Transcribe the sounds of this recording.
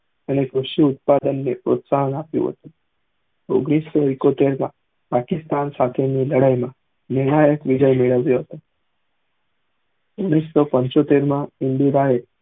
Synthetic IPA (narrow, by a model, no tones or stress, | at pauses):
añekɾuʂiut̪̚pad̪ənːepɾot̪saɦənapjṵ̃ɦə̰t̪ũ | o̰ɡɽ̃isːɔikot̪eɾmã̰ | pakist̪ansat̪ʰeniləɽəjmã | neɳ̃ajəkʋid͡ʒəjmeɭəʋjoɦət̪o | oɡɽ̃isːɔpəɲt͡ɕot̪eɾmãind̪iɾaɦel